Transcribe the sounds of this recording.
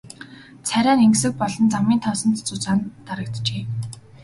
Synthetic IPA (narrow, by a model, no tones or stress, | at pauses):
t͡sʰæɾʲæːneŋɡsɘ̆k̚pɔɮɞ̆nt͡samiːnt̪ʰɔːsɞ̆nt̪t͡sʊt͡saːnt̪aɾə̆kt̪t͡ɕeː